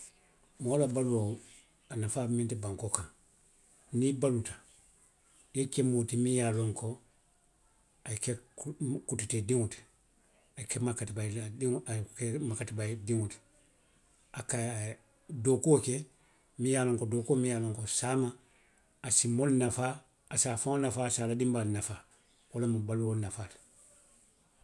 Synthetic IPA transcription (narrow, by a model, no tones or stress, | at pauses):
molabaluo | anafamĩntibãŋkokãŋ | nibalutḁ | jekɛmotimĩjaloŋko | aikɛkututedĩŋoti̥ | aikɛmakatibaildiŋkɛmakatibaidĩŋuti̥ | aka | dokuokɛ | mĩjaːlõŋkodoːkomĩjaːloŋkosaːmaː | simolnafa | asaːfãŋonafaːsaːladĩmbalinafaː | wolamabaluolnafaːti̥